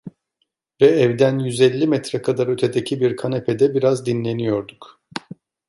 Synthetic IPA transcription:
vɛɛvd̪ænjyzɛlʲːimɛt̪ɾɛkʰad̪aɾø̞t̪ʰed̪ecʰibiɾkʰanepʰed̪ɛbiɾazd̪inlʲe̞nijo̞ɾd̪uk

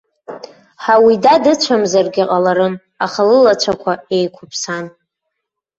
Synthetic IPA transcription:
ħawidadɨt͡ʃʷʰamzarɡʲaqʼalaɾɨm | aχalɨlat͡ʃʷʰakʷʰae̞jkʷʰʊpʰsan

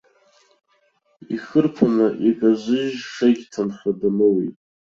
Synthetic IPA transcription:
iχɨrpʰanaʔikʼazɨʒʂaɡʲtʰanχʲʷadanɨwḭtʼ

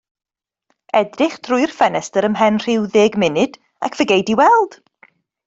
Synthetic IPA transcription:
ɛdrɪχd̥rʊɨr̥fɛnɛstəɾəmɦɛnr̥ɪwðeːɡmɪnɨd̥ | a̰kʰv̥əɡejdiwɛlˠd̥

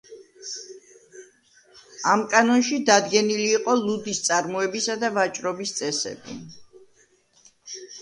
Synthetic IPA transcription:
amkʼanɔnʃid̪ad̪ɡɛniliːqʼɔlˠud̪ist̪sʼaɾmɔɛbisad̪avat͡ʃʼɾɔbist̪sʼɛsɛ̰bḭ

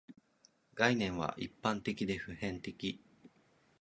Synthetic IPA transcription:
ɡainẽ̞ɰ̃βa̰ʔipːãnt̪e̞kʲid̪e̞ɸɯ̟hẽ̞nt̪e̞kʲi

